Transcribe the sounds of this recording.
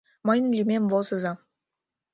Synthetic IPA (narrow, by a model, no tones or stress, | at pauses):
mɑjnlʲymʲemvozɤ̆zɑ